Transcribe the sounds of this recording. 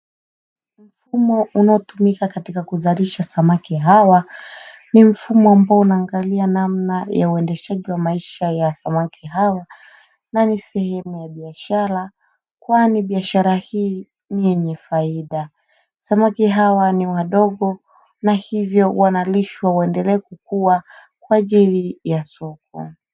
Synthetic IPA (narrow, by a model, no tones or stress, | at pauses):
m̩fumɔunaɔtumikakatikakuzaɾiʃasamakiɦawa | nim̩fumɔambaɔunaːŋɡalianamnajauɛndɛʃaʄiwamaiʃajasamakʰiɦawa | nanisɛhɛmujaɓiaʃaɾa | kwaniɓiaʃaɾahiː | nijɛɲɛfaiɗa | samakiɦawaniwaɗɔɠɔ | nahivjɔwanaliʃwawaɛndɛlɛːkukuwa | kwaʄilijasɔk̚ɔ̰